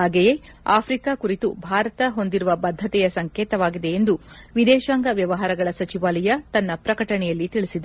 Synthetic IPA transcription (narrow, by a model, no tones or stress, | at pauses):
aːɡeje | aːpʰɾikaːkuɾit̪ubʱaːɾɐt̪ɐɦo̞nd̪iɾuʋɐbɐd̪ʱːɐt̪ɛjɐsɐŋkeːt̪ɐʋaːɡid̪e̞ːnd̪uʋid̪ɛːʃaːŋɡɐʋjɐʋɐɦaːɾɐɡɐɭɐsɐt͡ʃiʋaːlɐjɐt̪ɐnːɐpɾɐkɐʈɐɳɛjɐlːit̪iɭisid̪